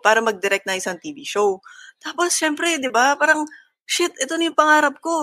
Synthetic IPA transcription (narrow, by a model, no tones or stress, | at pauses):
paːɾɐmɐɡ̚d̪ɛɾɛk̪̚nɐŋʔɪsɐŋt̪iviʃowt̪aːposʃɛmpɾɛd̪ɪbapaːɾɐŋ | ʃɪt̪ʔɛt̪onɐjʊŋpɐŋaːɾɐp̚ko̞